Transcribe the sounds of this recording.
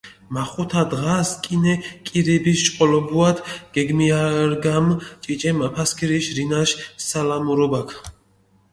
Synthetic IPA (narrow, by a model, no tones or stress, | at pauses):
maχut̪ʰad̪ʁaskʼinɛkʼiɾɛbisʃʼqʼɔlɔbuat̪ʰɡ̥ɛɡmiaɾɡamt͡ʃʼit͡ʃʼɛmapʰaskʰiɾiʃɾinaʃsalamuɾɔbakʰ